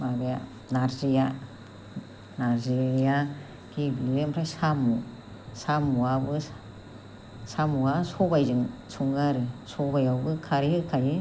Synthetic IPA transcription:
mabeja | naɾzija | naɾziɾija | kʰibilempʰɾajsamːu | samuwabɯ | samuwasɔbajzɯŋsʰuŋaɾɯsɔbajawbɯkʰaɾihɯkʰajɯ

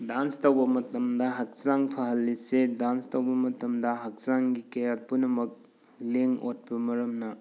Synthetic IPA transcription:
danstɐwbɐmɐtɐmdɐɦɐk̚saŋpʰɐɦɐlːisedanstɐwbɐmɐtɐmdɐɦɐk̚saŋɡikɐjat̚punɐmɐk̚ | leŋot̚pɐmɐɾɐmnɐ

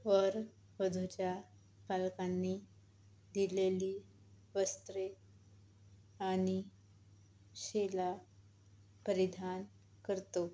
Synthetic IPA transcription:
ʋəɾ | ʋəd̪ʱut͡ɕja | palkanːi | d̪ileliː | ʋəst̪ɾe | añi | ɕela | pəɾid̪ʱan | kəɾt̪o

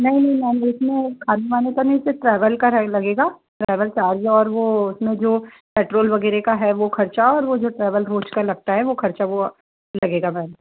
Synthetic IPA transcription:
nɐɦĩnɐɦĩmɛ̃ːneʊsmẽkʰaːnumaːnekɐneseʈɾɛːʋəlkɐɾlɐɡeːɡaːʈɾɛːʋəlt͡ʃaːɾieɔːɾʋoʊsmẽd͡ʒoː | peːʈɾoːlʋɐɡɛːɾekaɦɛʋokʰɐɾt͡ʃaɔːɾʋod͡ʒoːʈɾɛːʋəlɾoːt͡ʃkɐɾlɐɡ̚t̪aɦɛʋokʰɐɾt͡ʃaʋo | lɐɡeːɡamɛ̃ːn

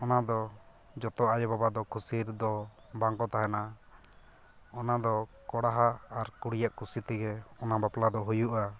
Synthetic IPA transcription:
ɔnad̪ɔ | d͡ʒɔt̪ɔʔajɔbabad̪ɔkusiɾd̪ɔ | baŋkɔt̪aɦɛna | ɔnad̪ɔkɔɽaɦaːɾkuɽijaʔkusit̪ɛɡɛɔnabaplad̪ɔɦujuʔa

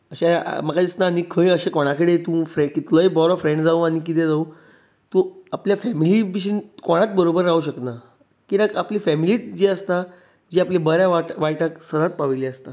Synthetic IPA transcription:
əɕḛməɡad̪isnaːnikʰəĩəɕẽkoɽ̃akəɽet̪ũfɾekit̪lojbɔɾɔfɾẽɳɖd͡zaũañikit̪ẽd͡zaũ | t̪ũapljafɛmilibiɕ̬inkoɽ̃at̪̚bəɾobəɾːauɕəkna | kiɾəkapliːfɛmiliːt̪̚d͡ʑiəst̪a | d͡ʑiːaplebəɾjaʋaʈʋajʈaksəd̪at̪̚paʋiliəst̪a

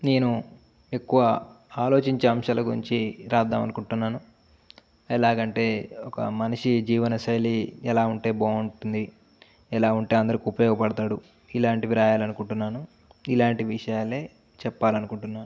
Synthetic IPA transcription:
ne̞ːnu | e̞kːuʋɐ | aːlo̞ːt͡ʃiɲt͡ʃeɐmʂaːlɐɡuɾḭɲt͡ʃiɾaːd̪ːa̰ːmɐ̰nukuɳʈunːaːnu | ɛlaːɡɐɳʈe̞ːɔkɐ̰mɐnɐʂid͡ʒiːʋɐnɐsɐjliɛlaːuɳʈe̞ːboːuɳʈund̪i | ɛlaːuɳʈe̞ːɐnd̪ɐɾikiupɐjoːɡɐpɐɽɐt̪aːɽu | ilaːɳʈiʋiɾaːjaːlɐnukuɳʈunːaːnu | ilaːɳʈiʋiʂɐjaːle̞ː | t͡ʃɛpːaːlɐnukuɳʈunːaː

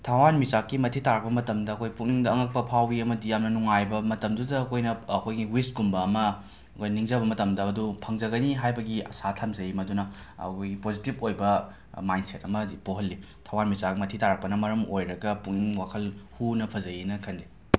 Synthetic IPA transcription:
tʰawanmisakːimɐtʰitaɾɐk̚pɐmɐtɐmdɐːkʰojpukniŋdɐːŋɐk̚pɐpʰawiɐmɐdijamnɐnuŋajbɐmɐtɐmdudɐːkʰojnɐːkʰojɡiwistɡumbɐːmɐ | ɐkʰojnɐniŋzɐbɐmɐtɐmdɐɐdupʰɐŋzɐɡɐniɦajbɐɡiɐ̰satʰamzɐjimɐdunɐɐ̰kʰojɡipozitibojbɐ | majnsetɐmɐipoɦɐlːi | tʰawanmisakmɐtʰitaɾɐk̚pɐnɐmɐɾɐmojɾɐɡɐpukiŋwakʰɐlhunɐpʰɐzɐjinɐkʰɐndi

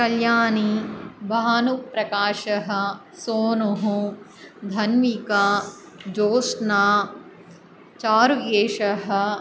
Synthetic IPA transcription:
kɐljaːnibʱaːnupɾɐkaːʃɐɦɐ̆ | soːnuɦu | d̪ʱɐnmikaː | d͡ʒoːsnaː | t͡ʃaːɾuɡeːʃɐɦɐ̆

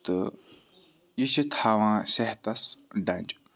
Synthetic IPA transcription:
t̪ə | jəɕʰə̥t̪ʰawaŋsaht̪asɦɖ͡ʐaɲd͡ʑə

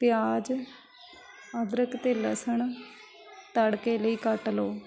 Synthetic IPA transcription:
pɪjaːd͡ʒ | əd̪ɾəkt̪eːləsəɳ | t̪əɽkeːləiːkəʈloː

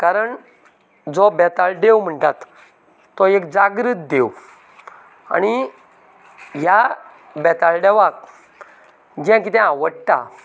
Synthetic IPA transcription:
kaɾəɳ | d͡zɔbɛt̪aɭɖewm̤əɳʈat̪ː | ɔekd͡zaɡɾit̪̚d̪ew | a̰ɽ̃i | ɦja | bɛt̪aɭɖɛʋak̚ | d͡ʑãkit̪ɛ̃aʋəɽʈa̰

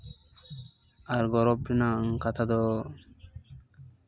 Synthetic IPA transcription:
aɾɡɔɾɔpɾinaŋkat̪ʰad̪ɔ

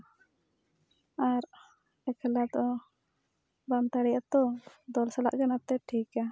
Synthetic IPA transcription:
aɾ | ɛkʰɛlat̪ɔ | bamt̪aɽɛjat̪ɔd̪ɔlsala̰ʔɡanap̚t̪ɛʈʰika

